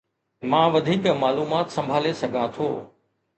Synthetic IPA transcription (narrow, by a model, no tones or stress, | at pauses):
mãːʋɐd̪ʱiːkmaːluːmaːt̪sɐ̃mbʱaːlesɐɡʱãt̪ʰoː